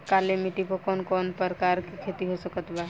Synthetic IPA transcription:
kalemiʈipɔkɔːnkɔːnpəɾkaɾkikʰet̪iɦosəkət̪ba

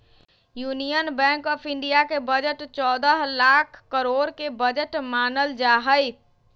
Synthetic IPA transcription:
junijənbɛ̃ŋkɔːpʰɪɳɖijakebəd͡ʒəʈt͡ʃɔːd̪əɦlakʰkəɾoɽkebəd͡ʒəʈmanəld͡ʒaɦəj

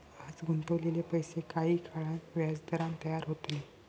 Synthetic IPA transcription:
ad͡zɡʱunt̪əʋlelepəjsekaɦiːkʰaɭãnʋjad͡zd̪əɾãnt̪əjaɾɦot̪le

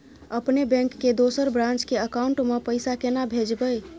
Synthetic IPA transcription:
əpnebɛ̃ŋkːed̪osəɾbɾãnt͡ʃkeəkauɳʈmepəjsakenabʱed͡ʒbəj

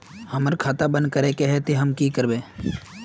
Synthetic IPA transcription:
həməɾkʰaːt̪abə̃nd̪̚kəɾekeɦɛt̪iɦəmkikəɾbẽː

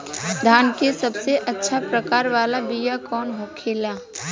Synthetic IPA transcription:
d̪ʱaːnkesɐbseʔɐtːʃʰapɾəkaːɾʋaːlabijakɔːnɦoːkʰelaː

